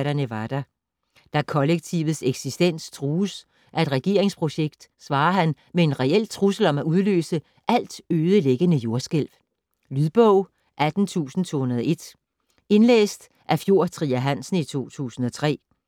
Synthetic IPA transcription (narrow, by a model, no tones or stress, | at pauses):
ɾɐnəʋɑ̈d̥æ | d̥ækʰɒ̽leɡ̥̚t͡sʰiʊð̩ˠseɡ̥sisd̥en̰st͡sʰʁuːs | ʔæe̝d̥ʁɛɡ̥e̝ɐ̰eŋspʰʁo̝ɕeɡ̥d̥sʋɑ̈ːɦæn | mee̝nʁɛel̰t͡sʰʁusl̩ɒ̽mæuð̞ˠlø̰ːsə | ʔæl̰d̥øːðˠəleɡ̥ənəjo̝ɐsɡ̥el̰ʋ | lyðˠb̥ɔʊ | ʔæd̥n̩t͡sʰṵːsn̩t͡sʰo̝̰ːhunɐðˠɒe̝d̥ | e̝nlḛːsd̥ | ʔæfjo̝ɐ̰t͡sʰʁiːæɦæn̰sn̩it͡sʰo̝̰ːt͡sʰṵːsn̩ɒ̽t͡sʰʁɛ̰ː